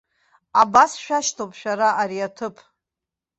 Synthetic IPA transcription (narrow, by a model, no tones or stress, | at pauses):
abasʃᶣaʃtʰopʰʼʃᶣaɾaʔaɾiatʰɨpʼ